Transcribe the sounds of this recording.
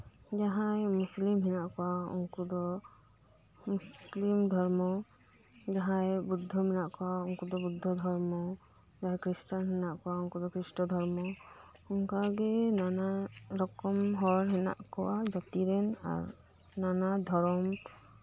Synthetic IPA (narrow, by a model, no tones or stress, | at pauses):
d͡ʒaɦãjmuslimɦɛnaʔkɔwaṵŋkud̪ɔ | muslimd̪ʱɔɾmɔ | d͡ʒaɦãjbud̪ʱːɔmɛnaʔkɔwauŋkud̪ɔbud̪ʱːɔd̪ʱɔɾmɔ | d͡ʒaɦãkɾisʈanɦɛnaʔkɔwauŋkɔd̪ɔkɾisʈɔd̪ʱɔɾmɔ | uŋkaɡɛnanaɾɔkɔmɦɔɾɦɛna̰ʔkɔwad͡ʒat̪iɾɛna̰ɾ | nanad̪ʱɔɾɔm